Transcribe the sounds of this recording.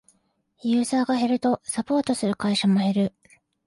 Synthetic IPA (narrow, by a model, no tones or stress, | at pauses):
jɯ̟ːzaːɡaɦe̞ɾɯ̟t̪o̞sapo̞ːt̪o̞sɨɾɯ̟kaiɕamo̞he̞ɾɯ̟